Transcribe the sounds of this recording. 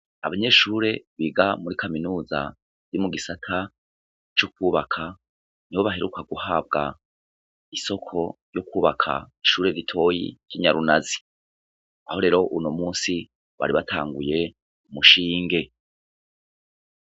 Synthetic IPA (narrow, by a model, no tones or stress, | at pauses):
a̰βaɲe̞ːʃuːɾe̞βiːɡamuɾikʰaminuːza̰ | iɾimuɡisatʰa | t͡ʃok̚uːβakʰa | niβo̞βaɦe̞ɾukaɡuhab̚ɡa | iso̞kʰo̞ɾjo̞kuːβakʰa̰iʃuːɾe̞ɾitʰo̞ːjḭɾ̥ɟiɲaɾunazi | aho̞ɾe̞ːɾo̞ʔuno̞muːnsi | βa̰ɾiβatʰa̰ːŋɡuje̞ | umuʃiːŋɡe̞